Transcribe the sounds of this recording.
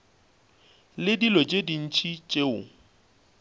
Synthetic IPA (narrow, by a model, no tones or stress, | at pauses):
lɪdilɔd͡ʒedin̩t͡ʃʰʼit͡ʃʼeʊ